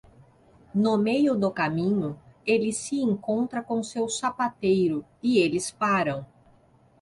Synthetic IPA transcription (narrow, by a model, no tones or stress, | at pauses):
nʊmejʊd̪ʊkamĩɲʊelɪsɪẽŋkõnt̪ɾɐkõsewsapat̪ejɾʊɪelɪspaɾɐ̃w̃